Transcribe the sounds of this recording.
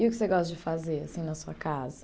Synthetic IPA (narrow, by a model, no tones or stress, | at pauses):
ɪʊkɪ̥seɡɔst̪ɐd͡ʒɪfazeɾasĩnɐsuɐkazɐ